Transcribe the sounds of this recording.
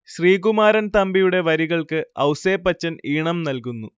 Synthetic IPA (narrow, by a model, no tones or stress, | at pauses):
ɕriːkumaːɾɐnt̪ɐmbijuɽe̞ʋɐɾiɣɐɭkɨɐwseːpːɐt͡ɕːɐniːɳɐmnɐlkunːu